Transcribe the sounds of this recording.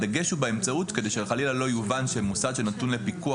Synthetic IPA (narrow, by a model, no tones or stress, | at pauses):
daɡe̞ʃubeemt͡sautke̞d̪e̞jʃeχalilalo̞juvanʃemusad̪ʃenatunlepikua